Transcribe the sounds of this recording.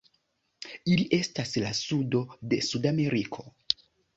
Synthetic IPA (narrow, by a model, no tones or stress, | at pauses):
iliʔe̞staslasudo̞de̞sudame̞ɾikʰo̞